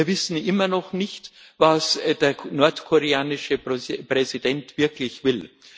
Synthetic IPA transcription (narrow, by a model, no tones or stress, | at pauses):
iːɐvɪsn̩ʔɪmɐnɔχnɪçt | vasdeːɐnɔɐtkʰoʁeaːnɪʃəpʁ̥ɛzid̥ɛntv̥ɪɐklɪçv̥ɪl